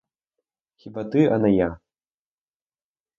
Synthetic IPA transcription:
xʲibat̪ɨɐnaja

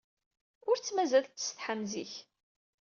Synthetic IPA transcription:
ʊɾt͡sːmæzælːə̥sθħamziç

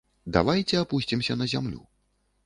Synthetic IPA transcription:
d̪a̰vajt͡sʲɛapusʲt͡sʲimsʲɐnɐzʲamlʲṵ

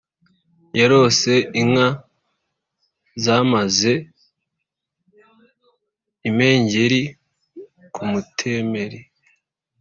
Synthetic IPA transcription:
jaɾo̞se̞ʔiŋa | zaːmaze̞ | ime̞ːɲɟeɾi | kʰumutʰeme̞ɾi

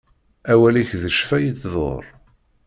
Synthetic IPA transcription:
æwæliçðəʃfæjit͡sːðˤo̰ɾˤ

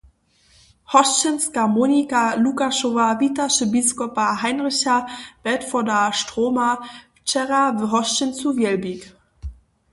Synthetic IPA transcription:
hɔstənskamoːnikalukaʃovavitaʃəbiskɔpaɦaɪnʁɪçɐb̥ɛtfɔdaʃtʁ̥oːma | t͡ʃɛʁavɦɔstənt͡suvjɛlbik

